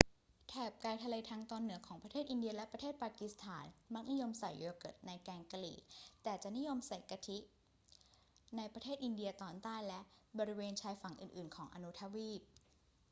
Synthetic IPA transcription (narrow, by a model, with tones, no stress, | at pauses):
t̪ʰɛː˨˩p̚kaː˧jt̪ʰa˧leː˧t̪ʰaː˧ŋt̪ɔː˧nːɯ˨˩˦ɐkʰɔː˩˦pɾa˧eː˥˩t̪ʔi˧ndi˧ɐlɛ˦˥pɾa˧t̪ʰeː˥˩t̪̚paː˧ki˧˦˥st̪ʰaː˩˦nma˦˥k̚ni˦˥jo˧msa˨˩jːɤː˧kɤ̰˨˩t̪̚na˧jkɛː˧ŋka˧lḭː˨˩t̪ɛː˨˩t͡ɕa˨˩ʔni˦˥jo˧msa˨˩jka˧t̪ʰi˦˥ | na˧jpɾa˧t̪ʰeː˥˩t̪̚ʔi˧ndi˧ɐt̪ɔː˨˩nt̪aː˥˩jlɛ˦˥ʔbɔː˧ɾi˦˥weː˧nt͡ɕʰaː˧jfa˨˩˦ŋʔɯː˨˩nʔɯː˨˩nkʰɔː˩˦ŋʔa̰˧nu˦˥t̪ʰa˧˥wiː˥˩p̚